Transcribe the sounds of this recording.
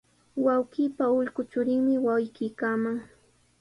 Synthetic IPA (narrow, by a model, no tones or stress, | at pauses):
wawkɪːpaʊʎkʊt͡ʃʊɾɪŋmɪwawjkɪjkamaŋ